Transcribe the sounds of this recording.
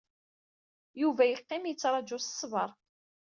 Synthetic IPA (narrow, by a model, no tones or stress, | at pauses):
juvæjəqːɪmjət͡sːɾˤɑd͡ʒʊsə̥sˤːvə̰ɾˤ